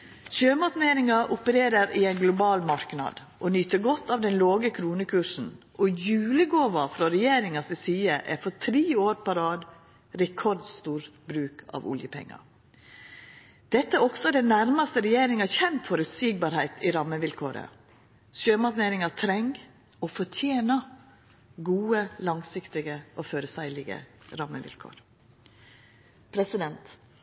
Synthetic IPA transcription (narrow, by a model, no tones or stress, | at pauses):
ʃøːmɑt̪neːɾɪŋɑʔʊpəɾeːɾəɾɪæɪnɡlʊbɑːlmɑɾknɑ̰d̪ | ʔɔnyːt̪əɾɡɔt̪ʰːɑʋd̪ɛnloːɡəkʰɾuːnəkʰʉʂn̩ | ʔɔjʉːləɡoːʋɑfɾɔɾɛjeːɾɪŋɑsɛsiːəʔæ̰fɔt̪ʰɾiːoːɾpɑɾɑːd̪ | ɾɛkʰɔɾd̪st̪uːɾbɾʉːkɑ̰ːʋʊ̰ljəpʰɛ̰ŋːɑ̰ | d̪̥ɛt̪ːəæɔksɔd̪ɛnæɾmɑst̪əɾɛjeːɾɪŋɑçɛnt̪fɔɾʉt̪siːɡ̚bɑːɾhæɪt̪ɪɾɑmːəʋɪlkʰoːɾə̰ | ʃøːmɑkneːɾɪŋɑt̪ʰɾɛŋ | ɔfɔtʰjeːnɑ | ɡuːəlɑŋsɪkt̪ɪɡəʔɔføːɾəsæɪlɪɡə̰ɾɑmːəʋɪ̰lkʰo̰ːɾ | pʰɾɛsɪd̪ɛnt̪